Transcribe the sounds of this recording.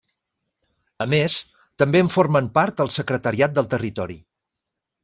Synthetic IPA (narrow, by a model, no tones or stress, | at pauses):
əmes | t̪əmbeəɱfoɾməmpaɾt̪̚əlˠsəkɾət̪əɾiat̪̚d̪əlˠt̪ərit̪ɔɾḭ